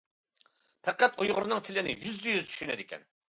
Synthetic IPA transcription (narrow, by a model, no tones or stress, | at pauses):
pʰɛqæt̪ojʁʊɾnɨŋt̪ʰɪlɪnɪ̰jyzd̪ɪjyzt͡ʃ̪ʰy̥ʃynɛd̪ɪkʲʰɛ̰n